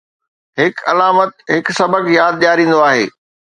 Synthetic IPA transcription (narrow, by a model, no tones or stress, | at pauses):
ɦɪkɐ̰laːmət̪ɦɪksɐbʱəkjaːd̪̚ɗ̪ijaːɾĩːn̆d̪oaːɦeː